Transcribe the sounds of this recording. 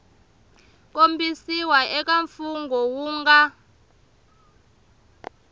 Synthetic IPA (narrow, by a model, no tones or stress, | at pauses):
k̬ʼombʱisiwaʔɛk̬ʼaɱfuŋɡʱɔwuːŋɡa